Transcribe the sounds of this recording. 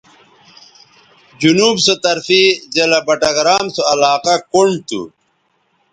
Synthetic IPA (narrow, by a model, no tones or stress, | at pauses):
d͡ʑunuːbsot̪ɐɾfizelɐbɐʈɐɡɾaːmsoɐlaːqakoɳɖt̪ṵ